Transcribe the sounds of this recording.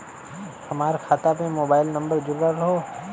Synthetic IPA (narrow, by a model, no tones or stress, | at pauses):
hɐmaːɾkʰaːt̪apẽmoːbaːɪlnɐ̃mbəɾd͡ʒʊɾaɾɐɦoː